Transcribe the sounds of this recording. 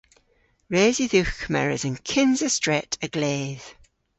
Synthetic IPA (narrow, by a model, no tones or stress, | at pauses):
ɹeːziðʉˑkmɛ̰ɹə̰zə̃nkʰɪ̃nzəstɹ̥ɛtʰəɡ̥leːð̥